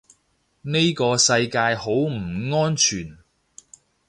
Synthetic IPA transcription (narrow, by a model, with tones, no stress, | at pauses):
ne˥jkɔː˧sɐ˧jkaː˧jho˨˥wm̩˨˩ŋɔː˥nt͡ʃʰyː˨˩n